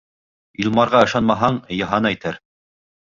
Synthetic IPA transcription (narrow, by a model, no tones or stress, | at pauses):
ilˠmɑɾʁɑɤ̆ʃɑnmɑɦɑɴjɤ̆ɦɑnæjt̪æɾ